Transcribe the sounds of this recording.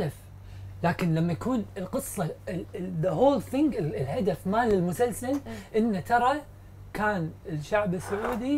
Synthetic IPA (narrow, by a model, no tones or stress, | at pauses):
af | laːkɪnlamːajakuːnɪlqɨsˤːɑɪðəhoːlθɪŋɡɪɪlhad̪afmalɪlmʊsalsalʔɪnːat̪ʰɑɾˤɑ | kaːnɪʃːaʕbɪsːʊʕuːd̪i